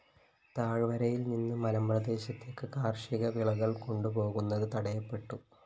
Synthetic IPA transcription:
t̪aːɻʋɐɾɐjilninːɨmɐlɐmprɐd̪e̞ːɕɐt̪ːe̞ːkːɨkaːrʂiɣɐʋiɭɐɣɐɭko̞ɳɖupo̞ːɣunːɐðɨt̪ɐɽɐjɐpːe̞ʈːu

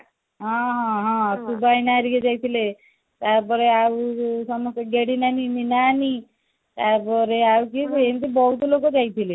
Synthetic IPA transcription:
ɦɔ̃ɦɦɔ̃subajnaɾiked͡ʒajt̪ʰile | t̪aɾpɔɾeausɔmɔst̪ɔɡeɽinanininani | t̪aɾpɔɾeawkikɔent̪ibɔut̪olokod͡ʒajt̪ʰile

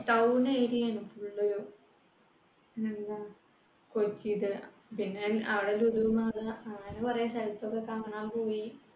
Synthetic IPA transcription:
ʈɐwnɐjɾijanufuɭːoɾo | nenːɐ | kot͡ɕːiðɨ | pinːeɐʋiɽeluɾumaɽɐɐŋːɐnepɐrɐjɐsɐjit̪ːokːekaːmɐɳaːmpoːji

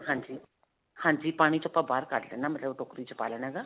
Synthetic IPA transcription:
ɦãːd͡ʒiː | hãːɲd͡ʒiːpaːɽ̃iːt͡ʃʊpːaːbaːɾkaʈlɛ̰ːnaːmət̪ləbʈoːkɾiːt͡ʃʊpa̰ːlɛːnɛːɡaː

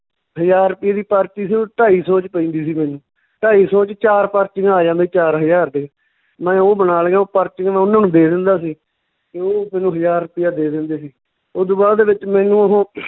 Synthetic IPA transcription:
ɦəd͡ʒaːɾʊpɪjaːd̪iːpaːɾt̪iːsiːoːʈaːiːsoːt͡ʃpəĩːnd̪iːsiːmɛːnũː | ʈaːiːsoːt͡ʃt͡ʃaːɾpəɾt͡ʃɪŋɡaːd͡ʒãːnd̪iːt͡ʃaːɾɦəjaːɾd̪e | mɛ̃ːoːbənaːlɡãːoːpəɾt͡ʃɪŋɡmɛ̃ːʊnãːnũːd̪eːd̪ɪnd̪aːsiː | t̪eoːmɛːnũːɦəd͡ʒaːɾʊpɪjaːd̪eːd̪ɪnd̪eːsiː | oːd̪oːbaːd̪eːʋɪt͡ʃmɛːnũːəɦõː

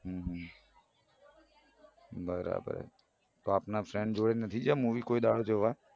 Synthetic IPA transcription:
ɦũːɦə̃ | bəɾa̰ːbə̰ɾ̰ | t̪oaːpnafʰɾɛ̃ːɳɖd͡ʒoːɽenət̪ʰid͡ʒaːmũːʋiːkoːiɗ̪aːɽoːt͡ʃeɦʊʋa

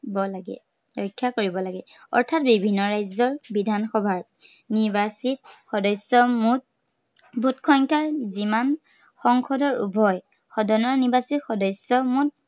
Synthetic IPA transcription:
bɔlaɡɛ̰ | ɹɔjkʰːakoɹibɔlaɡɛɔ̰ɹtʰat̚bibʱinːɔɹajzɔɹbidʱanxɔbʱaɹ | nibasit̚xɔdɔsɔmut | bʱutkʰɔŋkaɹziman | xɔŋkʰɔdɔɹṵbʱɔj | xɔdɔnɔɹnibasixɔdɔjsɔmut̚

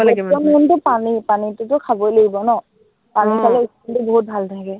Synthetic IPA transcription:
lɡiɔnuntʊpanipanitʊtʊkʰabojleɡibɔnɔ | panikʰalɛiskɔntʊbɔɦut̚bʱaltʰaɡɛ

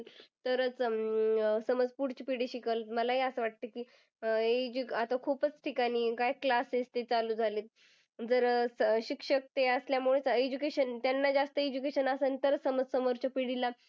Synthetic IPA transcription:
t̪əɾət͡s | səməd͡zpuɽt͡ɕipiɽiɕikəlt̪məlaɦeəsəʋaʈ̚t̪əkiː | ed͡ʑuat̪akʰupət͡sʈʰikaɽ̃iːkajklasest̪et͡saluːd͡zʱalet̪̚ | d͡zəɾɕikʂək̚t̪eəsljamuɭet͡sed͡ʑukeɕənt̪janːad͡zast̪əed͡ʑukeɕənasənt̪əɾəsəməd͡zsəmoɾt͡ɕapiɽila

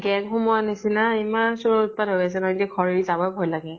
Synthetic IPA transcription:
ɡɛnxumuanesinaimaɹsuɹɔut̚padʱɦojas̬ɛnɔidiɛkʰɔɹiɹizabɔjbʱɔjlaɡɛ

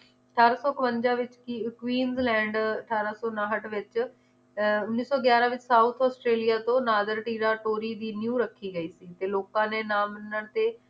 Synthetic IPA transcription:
əʈʰaːɾaːsɔːkəʋəɲd͡ʒaːʋɪt͡ʃkikwiːnzlɛ̃ːɳɖəʈʰaːɾaːsɔːnãːɦəʈʰʋɪt͡ʃ | ʊnːiːsɔːɡjaːɾãːʋɪt͡ʃsaːut̪ʰɔːsʈɾeːlijaːt̪õːnaːd̪əɾʈiːɾaːʈoːɾiːd̪iːnjũːɾəkʰːiːɡəiːsiːt̪eːloːkãːneːnaːmənəɽt̪eː

